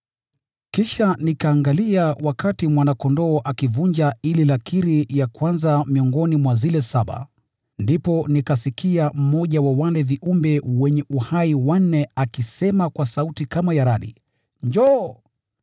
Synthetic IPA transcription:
kiʃanikaːŋɡaliawakatimwanakɔndɔːʔakivuɲd͡ʒaililakiɾijakwanzamiɔŋɡɔnimwazilɛsaɓa̰ | ndipɔnikasikiam̩mɔʄawawalɛviʔumbɛwɛɲɛʔuhaiwan̩ːɛakisɛmakwasautikamajaɾaɗḭ | ɲd͡ʒɔ

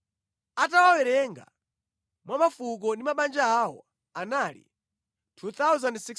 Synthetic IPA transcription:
atawawɛɾɛŋɡa̰ | mwamafuk̬ɔndimaɓand͡ʒaːwɔ̰ | analḭ | tʰut̪awzandsik

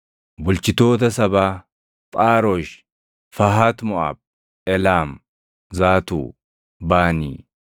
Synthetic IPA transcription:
bʊlt͡ʃɪt̪o̞ːt̪̬ɐsɐbaː | pʼaːɾoʃ | fɐɦaːt̪mɔʔa̰ːb̚ | ɛlaːm | zaːt̪ṵː | baːnḭː

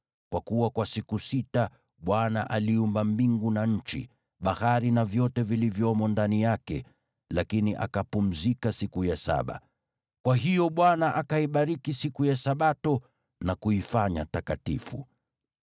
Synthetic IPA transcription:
kwakuwakwasikusita | ɓwanaʔaliumbambiŋɡunaɲ̩t͡ʃḭ | ɓahaɾinavjɔtɛvilivjɔmɔndanijakɛ̰ | lakiniʔa̰kapum̩zikasikujasa̰ɓa̰ | kwaɦijɔɓwanaʔakaiɓaɾikisikujasaɓatɔ | nakuifaɲa̰takatḭfṵ

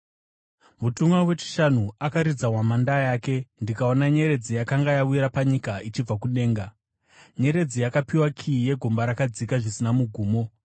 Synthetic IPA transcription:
mutumwawe̞t͡ʃi̥ʃanuakaɾid͡zawamandajaːke̞ndikao̞naɲe̞ɾe̞d͡zijakaŋɡajauiɾapaɲikait͡ʃib͡vakuɗe̞ːŋɡa | ɲe̞ɾe̞d͡zijakapiwakʰije̞ɡʱo̞mbaɾakad͡zikaʐisinamuɡʱuːmo̞

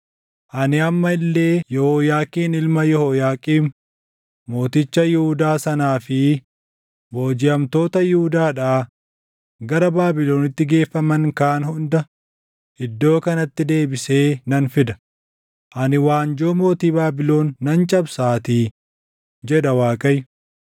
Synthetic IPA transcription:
ʔɐnɪɐmːɐɪlːe̞ːjɔhoːjaːkʼiːnɪlmɐjɔhojaːkʼiːm | mo̞ːt̪ɪt͡ʃːɐjɪhʊd̪aːsɐnaːfɪ | mo̞ːd͡ʒɪɐmt̪o̞ːt̪ɐjɪhʊd̪aːᶑaː | ɡɐɾɐbaːbɪlo̞ːnɪt̪ːɪɡe̞ːfːɐmɐŋkaːnhʊnd̪ɐ | ʔɪd̪ːo̞ːkɐnɐt̪ːɪd̪e̞ːbɪse̞ːnɐnfɪd̪ɐ̥ | ʔɐnɪwaːnd͡ʒoːmo̞ːt̪iːbaːbɪlo̞ːnːɐnt͡ʃʼɐbsaːt̪iː | d͡ʒɛᶑ̪ɐwaːkʼɐj

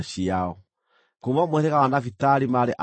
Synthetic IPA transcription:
ɕiaɔ | komɔmwɛɾɛkaanafitaɾimaɾeʔa

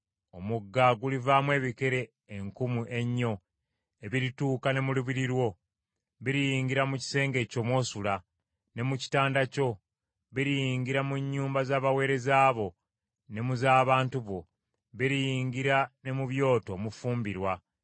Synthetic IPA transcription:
o̞muɡːaɡulivaːmwe̞ːβike̞ɾe̞ː | ŋkumuʔe̞ɲːo̞ | e̞βiɾituːkane̞muluβiɾiɾwo̞ | βiɾijiːŋɡiɾamuci̥se̞ːŋɡe̞co̞mwo̞ːsula | ne̞muci̥taːndaco̞ | βiɾijiːŋɡiɾamuɲːuːmbazaːβawe̞ːɾe̞zaːβo̞ | ne̞muzaːβaːntuβo̞ | βiɾijiːŋɡiɾane̞muβjo̞ːto̞ːmufuːmbiɾwa

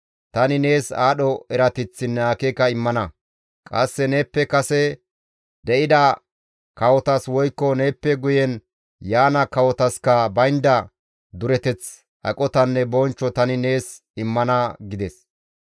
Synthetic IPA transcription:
t̪ɐnɪne̞ːsaːɗɔɛɾɐt̪ɪt͡sːɪnːɛakekːɐɪmːɐnɐ | kʼɐsːɛne̞ːpːɛkɐsɛ | d̪ɛʔɪd̪ɐ | kɐwɔt̪ɐswɔjkːɔne̞ːpːɛɡʊjɛn | jaːnɐkɐwɔt̪ɐskɐbɐjnd̪ɐ | d̪ʊɾɛt̪ɛt͡s | ʔɐ̰kʼɔt̪ɐnːɛbɔnt͡ʃːɔt̪ɐnɪne̞ːs | ɪmːɐnɐɡɪd̪ɛs

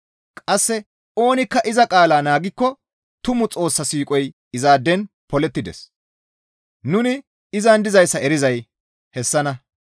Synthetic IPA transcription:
kʼɐsːɛ | o̞ːnɪkːɐʔɪzɐkʼaːlaːnaːɡɪkːɔ | t̪ʊmʊt͡sʼo̞ːsːɐsiːkʼɔj | ɪzaːd̪ːɛn | pɔlɛt̪ːɪd̪ɛ̰s | nʊnɪ | ɪzɐnd̪ɪzɐjsːɐɛɾɪzɐj | hɛsːɐnɐ

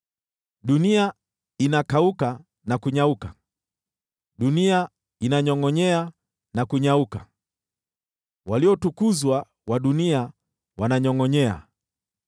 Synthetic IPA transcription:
ɗunia | inakauka | nakuɲauka | ɗunia | inaɲɔŋɔɲɛa | nakuɲauka | waliɔtukuzwa | waɗunia | wanaɲɔŋɔɲɛa̰

